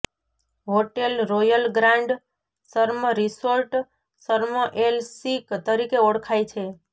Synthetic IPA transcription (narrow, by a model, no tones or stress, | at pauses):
ɦoʈelɾojəlɡɾãɳɖ | səɾməɾisoɾʈ | səɾməʔelsikt̪əɾikeoɽkʰajt͡ʃʰe